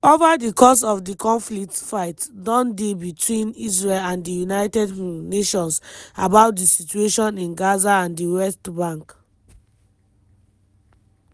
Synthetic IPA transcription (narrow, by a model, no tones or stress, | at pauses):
ovadikʰɔsɔfdikʰɔ̃nflik̚tfaɪtdɔ̃ndebitʰwĩnis̬ɹelãndijunaɪtɛdneʃɔ̃nsabaʊt̚disit͡ʃueʃɔ̃nĩnɡazaãndiwɛstbãŋk